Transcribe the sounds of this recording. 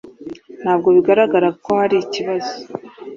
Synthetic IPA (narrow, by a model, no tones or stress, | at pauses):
n̥haːb̚ɡo̞βiɡaɾaɡaɾakohaɾiciβazo̥